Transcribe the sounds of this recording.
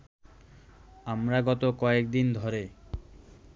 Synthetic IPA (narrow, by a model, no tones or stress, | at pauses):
amɾaɡɔt̪okɔek̚d̪ind̪ʱoɾe